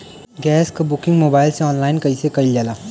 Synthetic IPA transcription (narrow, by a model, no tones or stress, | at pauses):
ɡɛːskabʊkɪ̃ŋɡmoːbaːɪlseɔːnlaːɪnkɐisekɐild͡ʒaːlaː